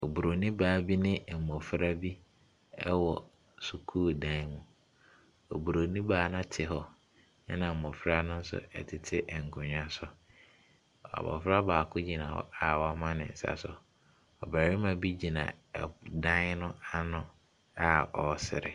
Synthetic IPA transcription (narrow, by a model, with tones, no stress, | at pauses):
o˨bu˨ɾo˨nĩ˦baː˨˦bi˦nɪ̃˦˨m̩˨mɔ˨fɾa˦bi˦ | ɛ˦wɔ˨ | su˨kʰuː˦˨dã˨ɪ˦mũ˨ | o˨bu˨ɾo˨nĩ˦baː˨˦nʊ̃˦tʰɪ˨ɦɔ˨ | nɪ˦nã˨m̩˨mɔ̃˨fɾa˦nʊ̃˦n̩˦sʊ̰˨ɛ̰˨tʰɪ˨tʰɪ˦ʔɛ˨ŋ̩˨kʰʊ̃˨ɲã˦sʊ˦˨ | a̰˨bɔ̰˨fɾa˦baː˨kʰʊ̃˦d͡ʑi˨nã˨hɔ̰˦a˦˨wɔ˨˦mã˦nɪ̰̃˨n̩˨sa̰˨sʊ˨ | ɔ˨ba˨ɾi˦mã˨bi˦d͡ʑi˨nã̰˨dã˦nʊ̃˦a˦nʊ̃˦ | a˦ɔ˨˦sɪ̰˨ɾɪ̰˨